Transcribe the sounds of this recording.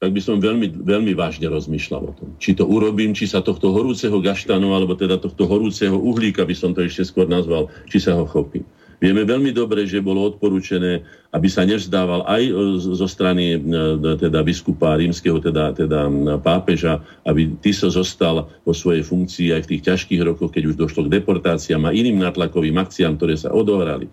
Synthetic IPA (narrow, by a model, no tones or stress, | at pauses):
t̪aɡ̚bisɔmʋɛʎmiʋɛʎmiʋaːʒɲɛɾɔzmiːʃla̰lɔ̰t̪ɔmt͡ʃit̪ɔʔuɾɔbiːmt͡ʃisat̪ɔxt̪ɔɦɔɾuːt͡sɛɦɔɡaʃt̪anualɛbɔt̪ɛd̪at̪ɔxt̪ɔɦɔɾuːt͡sɛɦɔʔuɦliːkabisɔmt̪ɔɛʃcɛskʊɔɾnazʋalt͡ʃisaɦɔxɔpḭːm | ʋɪɛmɛʋɛʎmid̪ɔbɾɛʒɛbɔlɔɔt̪̚pɔɾuːt͡ʃɛnɛː | ʔabisaɲɛvzd̪aːʋalʔajzɔst̪ɾanit̪ɛd̪abiskupaɾiːmskɛɦɔt̪ɛd̪at̪ɛd̪apaːpɛʒa | ʔabit̪iszɔst̪alʋɔsʋɔjɛjfuŋkt͡siːajft̪iːxcaʃkiːɣɾɔkɔxkɛɟuʒd̪ɔʃlɔɡd̪ɛpɔɾt̪aːt͡siamaʔiniːmnaːt̪lakɔʋiːmak̚t͡siaːmkt̪ɔɾɛːsa̰ʔɔd̪ɔɦɾa̰lḭ